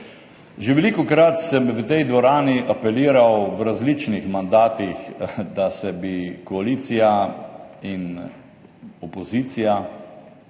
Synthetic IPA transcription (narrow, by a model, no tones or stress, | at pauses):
ʒeʋɛlikɔkɾat̪sɛmʋət̪ɛjd̪ʋɔɾaːniʔapɛliːɾawʋɾazlit͡ʃnixmand̪aːt̪ixd̪asɛbikɔaliːt̪sija | in | ɔpɔziːt̪sija